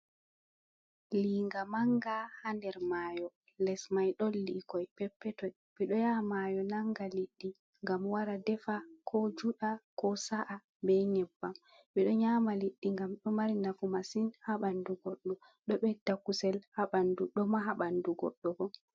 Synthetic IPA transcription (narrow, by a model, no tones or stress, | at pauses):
liːŋɡamaŋɡahandɛɾmajɔ | lɛsmajɗɔlːikɔjpɛpːɛtɔj | ɓiɗɔjamajɔnaŋɡaliɗːi | ŋɡamwaɾadɛfakʰɔd͡ʒuɗakɔsaʔa | bɛnɛbːam | ɓiɗɔɲamaliɗːiŋɡamɗɔmaɾinakumasinhaɓanduɡɔɗːɔ | ɗɔɓɛdakusɛlhaɓanduɗɔmaɦaɓanduɡɔɗːɔɡɔ